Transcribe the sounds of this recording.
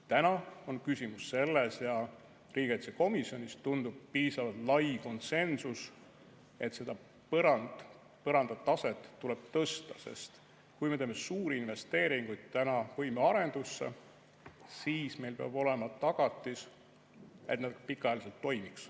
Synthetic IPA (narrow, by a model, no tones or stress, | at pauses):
t̪ænɑo̞nkysʲimusːe̞lːesjɑ | riːɡ̥et̪seko̞misjo̞nʲist̪und̪̥ub̥̚piːsɑvɑlt̪lɑjko̞nt̪se̞nsus | e̞t̪se̞d̪ɑ | pɤɾɑnd̪̥ | pɤɾɑnd̪̥ɑt̪ːɑse̞t̪ːuleb̥̚t̪ɤst̪ɑ̥se̞̰st̪ | kujme̞t̪eːmesuːɾiinve̞st̪e̞ːɾiŋɡ̥ujd̪̥̚t̪ænɑvɤjmeɑɾe̞nd̪̥usːḛ | siːsme̞jlpeɑ̰b̥o̞le̞mɑt̪ɑɡ̥ɑt̪ːˑis | e̞t̪næd̪pikːˑɑɑjɑliselt̪ːo̞jmiks